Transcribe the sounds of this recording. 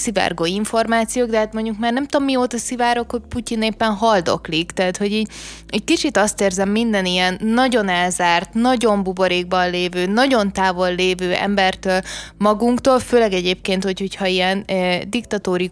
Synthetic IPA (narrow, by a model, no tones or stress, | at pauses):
sivɛ̰rɡoiɱfo̞rmaːt̪sijoːɡd̪ɛɦaːt̪mo̞ɲɟukmaːrnɛmt̪omːioːt̪ɒsivaːɾo̞khoc̚pucineːpːɛnɦɒld̪o̞̰klikt̪ɛːt̪ho̞ɟiːɟɛc̚kit͡ʃit̪ɒst̪eːrzɛmːind̪ɛnijɛnːɒɟo̞nɛlzaːrt̪nɒɟo̞mbuboɾeːɡ̚bɒnleːvøːnɒɟo̞nt̪aːvo̞lːeːvøːɛ̰mbɛrt̪øːlmɒɡuŋkt̪oːlføːlɛɡɛɟeːp̚keːnt̪ho̞cho̞chɒijɛnd̪ikt̪ɒt̪oːɾi